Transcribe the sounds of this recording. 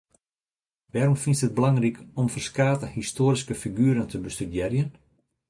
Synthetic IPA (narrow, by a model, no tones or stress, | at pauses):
ʋɛːɾɔmfinsəd̚bəlɑŋrikɔmfərskaːtəhistoːɾiskəfiɡyːɾəntʰəbəstydjɛrjən